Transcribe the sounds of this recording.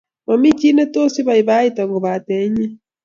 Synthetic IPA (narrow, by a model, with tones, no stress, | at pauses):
ma˨mi˦t͡ʃi˦ne˦to˦si˦βa˨i˨βa˦i˦ta˨ŋɡo˨βa˨tɛ˨˦ɲɛ˦